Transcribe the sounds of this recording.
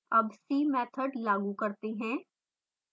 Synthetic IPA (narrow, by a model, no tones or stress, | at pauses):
ɐbsiːmɛːt̪ʰəɖlaːɡukɐɾt̪eɦɛ̃ː